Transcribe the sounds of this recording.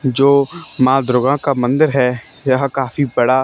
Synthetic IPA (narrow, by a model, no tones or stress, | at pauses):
d͡ʒoːmãːd̪ɾoːɡãkamɐ̃nd̪əɾɦɛː | jɐɦkaːfibɐɽa